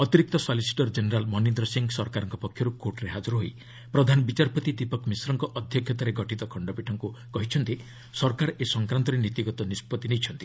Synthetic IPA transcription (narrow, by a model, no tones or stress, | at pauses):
ɔt̪iɾik̚t̪ɔsɔlisi̥ʈɔɾd͡ʒeneɾalmɔnind̪ɾɔsiŋɡsɔɾkaɾɔŋkɔpɔkʰjɔɾukoʈɔɾeɦad͡ʒuɾɔɦoj | pɾɔd̪ʱanɔbit͡ʃaɾpɔt̪id̪ipɔkmisɾɔŋkɔʔɔd̪ʱjɔkʰjɔt̪aɾeɡɔʈit̪ɔkʰɔɳɖɔpiʈʰɔŋkukɔɦit͡ʃʰɔnt̪i | sɔɾkaɾesɔŋkɾant̪ɔɾenit̪iɡɔt̪ɔnispɔt̪inejt͡ʃʰɔnt̪i̥